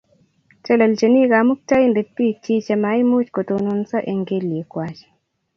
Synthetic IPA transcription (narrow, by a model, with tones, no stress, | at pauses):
t͡ʃɛ˦la˨lt͡ʃe˨ni˦ɡamu˦k̚ta˦inde˨pːi˦t͡ʃi˦t͡ʃa˨mai˦mu˦t͡ʃko˨to˨nu˦nsa˦ʔe˨ŋɡe˦lje˨kwat͡ʃ